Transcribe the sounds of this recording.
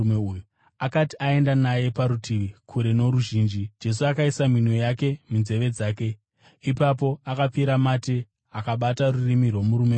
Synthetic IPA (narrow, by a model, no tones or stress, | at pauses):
meuju | akatiae̞ndanaje̞paɾutʰiʋikʰuɾe̞no̞ɾuʒiːnd͡ʒid͡ʒe̞s̬uakaisaminwe̞jake̞minze̞ʋe̞d͡zaːke̞ | ipap̬o̞akap͡fiɾamate | akaɓatarurimirwo̞muɾume